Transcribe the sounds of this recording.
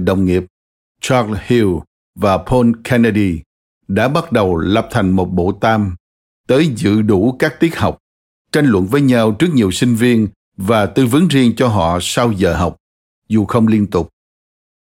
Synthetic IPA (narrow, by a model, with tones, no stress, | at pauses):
ɗə̰˧˨wŋ͡mŋi˨˩əp̚ | t͡ɕaː˧hi˧w | vaː˨˩pʰo˧nkʰɛ˧nə˧ɗi˧ | ɗa̰ː˧˥ɓa˦˥t̚ɗə˨˩wlə˨˩p̚t̪ʰa˨˩jŋ̟mo˨˩t̚ɓo̰˧˨t̪aː˧m | t̪əː˨˦jzɨ̰˧˨ɗu˧˩˥kaː˦˥k̚t̪i˦˥ət̚ɦa˨˩wk͡p̚ | t͡ɕa˧jŋ̟lwə̰˧˨nvəː˨˦jɲa˧wt͡ɕɨ˦˥ək̚ɲi˨˩əwsï˧ŋ̟vi˧ən | vaː˨˩t̪ɨ˧vɨ˨˦ŋzi˧ənt͡ɕɔ˧ɦɔ̰˧˨sa˧wzəː˨˩ɦa˨˩wk͡p̚ | zu˨˩xə˧wŋ͡mli˧ənt̪ʊ˨˩k͡p̚